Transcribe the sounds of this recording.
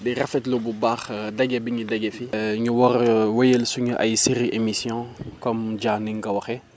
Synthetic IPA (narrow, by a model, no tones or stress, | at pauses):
dɛrɐfɛtlububaːxdɐɡɛbiɲudɐɡɛfiɲuwɔrwɐjelsuɲuʔɐjsiɾiʔemisjɔ̃kɔmɟaːniŋɡɐwɐxɛ